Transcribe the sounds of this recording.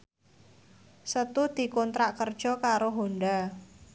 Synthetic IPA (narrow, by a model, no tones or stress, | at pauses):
sət̪ud̪̥i̤kɔnt̪ɾaʔkərd̥ʒ̥ɔ̤kaɾoɦoɳɖa